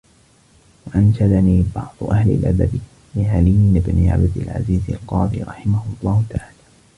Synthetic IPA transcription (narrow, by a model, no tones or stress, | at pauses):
waʔanʃad̪aniːbɑʕd̪ˤʊʔahlɪ̰lʔab̪a̰b̪ɪ | lɪʕalɪjɪbnɪʕa̰bd̪ɪlʕa̰ziːza̰lqɑːd̪ˤiːɾˤɑħɪmahʊalˤːɑːhʊt̪aʕaːlaː